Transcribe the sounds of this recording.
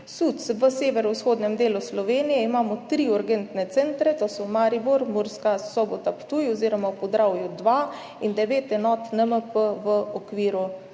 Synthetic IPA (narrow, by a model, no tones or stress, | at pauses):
sut̪sʋəseːʋɛɾɔusxoːd̪nɛmd̪eːluslɔʋeːnijɛimaːmɔt̪ɾiɔɾɡent̪nɛt̪sɛnt̪ɾɛt̪oːsɔmaːɾibuɾmuɾskasɔbɔt̪apt̪ujɔziːɾɔmapɔzd̪ɾawjud̪ʋa | ind̪ɛʋeːt̪ɛnɔːt̪nəməpəʋəɔkʋiːɾu